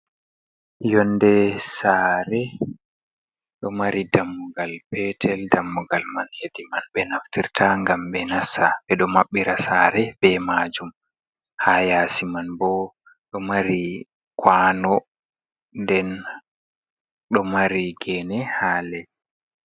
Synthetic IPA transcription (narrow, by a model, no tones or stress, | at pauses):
jɔnːdɛsaːɾɛ | ɗɔmaɾidamːuɡalpɛtʰɛldamːuɡalmanhedimanbɛnaftiɾtʰaŋɡambɛnasabɛɗɔmaɓːiɾasaːɾɛbɛmad͡ʒum | haːjasimanbɔ | ɗɔmaɾi | kʰwaːnɔ | ndɛn | ɗɔmaɾiɡɛnɛhaːlɛ